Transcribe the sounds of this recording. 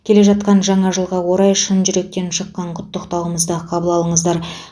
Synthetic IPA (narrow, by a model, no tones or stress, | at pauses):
kʲʰe̞le̞ʒɑt̪̚qɑnʒɑɴɑʒəlˠʁɑwo̞ɾɑjʃənʒʏɾe̞k̚t̪e̞nʃəqːɑɴqʰʊt̪ːəqt̪ɑwəməzd̪əqʰɑbəlˠɑlˠəɴəzd̪ɑɾ